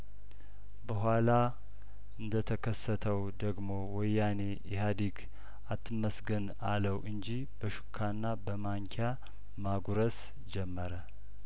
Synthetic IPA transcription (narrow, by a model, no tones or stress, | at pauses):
bəɦʷala | ɨnd̪ət̪ʰəkʰəsːət̪ʰəwd̪əɡmo̞wɔjːane | ɛɦad̪ik | at̪ʰːɨməsɡən | a̰ləwʔɨnd͡ʒi | bəʃu̥kʰːanːabəmaŋkʰa | maɡuɾəs | d͡ʒɛmːəɾə